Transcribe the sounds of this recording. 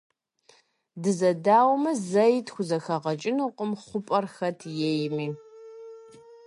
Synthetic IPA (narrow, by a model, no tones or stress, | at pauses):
dɨzɐdaːwmɐzɐjtʰxʷʊzɐxɐʁɐt͡ʃʼɪnuqʷʼəmχʷʊpʼɐrxɐtʰjejmiː